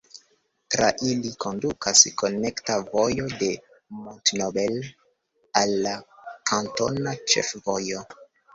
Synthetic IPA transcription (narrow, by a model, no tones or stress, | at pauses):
tɾaʔilikʰo̞ndukʰasko̞ne̞ktavo̞jo̞de̞ | montnobel | alːakʰanto̞̰nat͡ʃe̞̰fvo̞jo̞